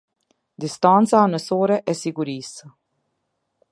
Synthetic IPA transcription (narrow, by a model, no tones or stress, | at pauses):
d̪ist̪ant͡saːnəsoːɾeʔɛsiɡuɾiːs